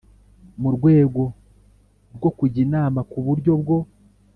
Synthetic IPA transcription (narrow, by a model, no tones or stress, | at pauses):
muɾɡwe̞ːɡo̞ | ɾɡo̞kuɟinaːmakuβuɾɟo̞bɡo̞